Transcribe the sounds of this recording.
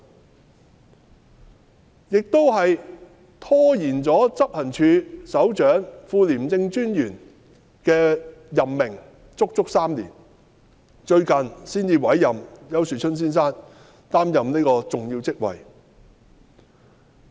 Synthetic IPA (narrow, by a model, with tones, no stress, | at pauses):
jɪ˨k̚t̪o˥wɦɐ˨j | t̪ʰɔː˥jiː˨˩nt͡sɔː˨˥t͡sɐ˥p̚hɐ˨˩nt͡ʃʰyː˨˧sɐ˨˥wt͡ʃœː˨˥ŋfuː˧liː˨˩mt͡sɪ˧ŋt͡ʃyː˥njyː˨˩n | kɛː˧jɐ˨mːɪ˨˩ŋ | t͡sʊ˥k̚t͡sʊ˥k̚saː˥mlḭː˨˩n | t͡ʃɵ˧ɥkɐ˨nsiː˥nt͡siː˧wɐ˨˥jːɐ˨mjɐ˨˥wsyː˨˩t͡ʃʰɵ˥ns̬iː˥nsaː˥n | t̪aː˥mjɐ˨mne˥kɔː˧t͡sʊ˨ŋjiː˧wt͡sɪ˥k̚wɐ̰˨j